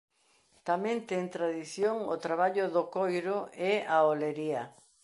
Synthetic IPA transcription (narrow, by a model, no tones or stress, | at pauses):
t̪amẽnt̪eŋt̪ɾaðiθjoŋot̪ɾaβ̞aʎʊðokojɾʊʔɛaoleɾiɐ